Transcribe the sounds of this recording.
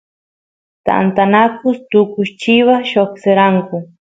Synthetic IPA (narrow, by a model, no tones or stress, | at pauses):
t̪a̰nt̪anakʊst̪ʊkʊʃt͡ʃiwaʃokseɾaŋkʊ